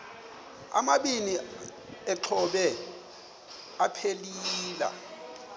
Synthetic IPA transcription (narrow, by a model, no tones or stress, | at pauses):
a̰maɓini | ɛǁʰɔɓɛ | apʰeliːla̰